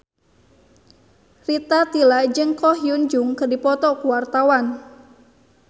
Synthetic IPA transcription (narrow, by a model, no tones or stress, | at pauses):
rit̪at̪ilad͡ʒɨŋkɔhjund͡ʒʊŋkərdipɔt̪ɔkuwart̪awan